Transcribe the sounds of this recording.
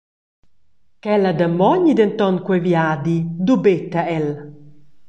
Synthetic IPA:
kɛlad̪əmːɔɲid̪ent̪ɔnkwɛvjaːd̪id̪ubet̪ːaɛl

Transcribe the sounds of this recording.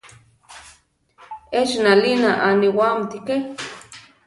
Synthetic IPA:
et͡ʃnalinaʔaniwamt̪ike

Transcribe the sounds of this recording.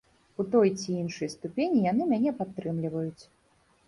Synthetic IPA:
ut̪ɔjt͡sʲiinʂɨjst̪upʲenʲijanɨmʲanʲɛpat̪ːɾɨmlʲivɐjut͡sʲ

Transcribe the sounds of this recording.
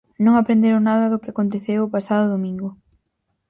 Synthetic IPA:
nõŋapɾend̪eɾonaðɐðʊkɪakont̪eθewʊpasaðʊðomĩŋɡʊ

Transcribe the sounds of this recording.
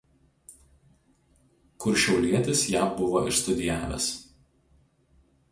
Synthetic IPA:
kʊɾʃʲɛʊlʲiɛt̪ʲɪsjæːbʊʋoːʔɪ̰ʃst̪ʊd̪ʲɪjæːʋʲɛ̰s

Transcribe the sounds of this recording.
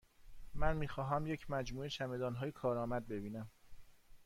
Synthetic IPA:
mænmiːxɒːɦæmjecʰmæd͡ʒmuːeʃæmed̪ɒːnɦɒːjekʰɒːɾɒːmæd̪̚be̞biːnæm

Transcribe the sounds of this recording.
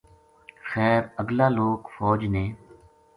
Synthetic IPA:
xɛːɾəɡlaːloːkfɔːd͡ʒnẽː

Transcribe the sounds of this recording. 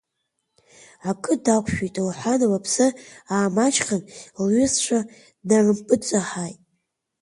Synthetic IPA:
akʰʼɨdakʷʰʃᶣejtʼlħʷanawapʰsɨaːmat͡ʃʰχanlɥʏst͡ʃʷʰa | narɨmpʼɨt͡sʷʼaħajtʼ

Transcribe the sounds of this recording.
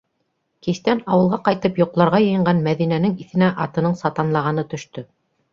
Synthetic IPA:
kist̪ænɑwɤ̆lˠʁɑqɑjt̪ɤpjŏqlˠɑɾʁɑjɤ̆jɤ̆ɴɢɑnmæðinænɘŋiθɘ̆næʔɑt̪ɤ̆nɤɴsɑt̪ɑnlˠɑʁɑnɤt̪ɵ̆ʃt̪ɵ

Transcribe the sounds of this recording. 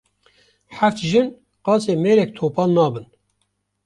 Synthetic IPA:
ħæft̪ʒɨn | qɑːt͡seːmeːɾɛk̚t̪ʰoːpɑːlnɑːbɨn

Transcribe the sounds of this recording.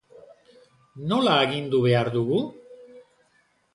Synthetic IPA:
no̞laeɣind̪uβe̞aɾðuɣu

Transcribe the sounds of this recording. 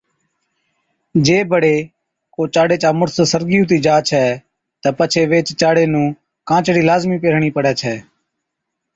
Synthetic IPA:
d͡ʒeːbəɽeː | koːt͡ʃaːɽeːt͡ʃaːmʊɾsəsəɾɡiːũːt̪̬iːd͡ʒaːt͡ʃʰɛː | t̪əpət͡ʃʰeːʋeːt͡ʃt͡ʃaːɽeːnũː | kãːt͡ʃɽiːlaːzmiːpeːɾ̤ɳiːpəɽɛːt͡ʃʰɛː

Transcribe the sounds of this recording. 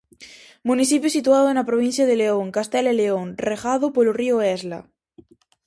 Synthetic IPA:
mũniθipjosit̪uaðoenapɾoβin̟θjað̞eleoŋkast̪eleleoŋreɣað̞opolorioezla̰

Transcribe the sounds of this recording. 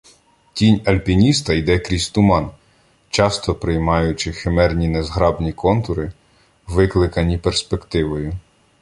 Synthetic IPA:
tʲinʲɐlʲpʲinʲist̪ɐjd̪ɛkɾʲisʲt̪ʊmɑn | t͡ʃɑst̪ɔpɾɪjmɑjʊt͡ʃɪxemɛrnʲinezɦɾɑbnʲikɔnt̪ʊɾɪ | ʋɪklˠɪkɐnʲiperspekt̪ɪʋɔjʊ

